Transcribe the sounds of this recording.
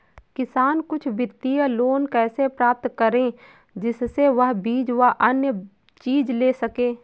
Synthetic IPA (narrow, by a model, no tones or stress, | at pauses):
kɪsaːnkʊt͡ʃʰbɪt̪ːijəloːnkɛːsepɾaːp̚t̪kəɾẽ | d͡ʒɪsseʋɐɦbiːd͡ʒʋəɦʔɐnjə | t͡ʃiːd͡ʒleːsəkẽː